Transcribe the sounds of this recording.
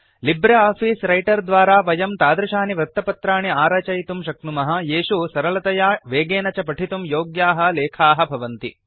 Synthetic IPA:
libɾeaːpʰiːsɾɐjʈɐɾd̪ʋaːɾaːʋɐjɐmt̪aːd̪ɾɐʃaːniʋɾɐt̪ːɐpɐt̪ɾaːɳiaːɾɐt͡ʃɐjt̪umʃɐknumɐɦɐjeːʃusɐɾɐlɐt̪ɐjaːʋeːɡeːnɐt͡ʃɐpɐʈʰit̪umjoːɡjaːɦɐ̆leːkʰaːɦɐ̆bʱɐʋɐnt̪ḭ

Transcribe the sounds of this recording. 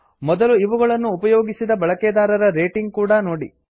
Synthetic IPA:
mɔd̪ɐluiʋuɡɐɭɐnːuːpɐjoːɡisid̪ɐbɐɭɐkɛːd̪aːɾɐɾɐɾeːʈiŋɡkuːɽɐnoːɽḭ

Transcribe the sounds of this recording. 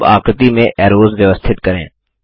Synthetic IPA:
a̰ːqət̪imẽʔɛːɾoːzʋjəʋəst̪ʰɪt̪kɐɾḛ̃ː

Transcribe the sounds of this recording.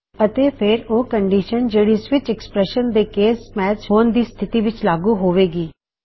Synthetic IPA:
ət̪eːpʰɪɾoːkəɳɖiːʃənd͡ʒeːɽiːsʋɪt͡ʃɛkspɾɛʃənd̪eːkeːsmɛːt͡ʃɦoːnd̪iːst̪ʰɪt̪iːʋɪt͡ʃlaːɡuːɦoːʋeːɡiː

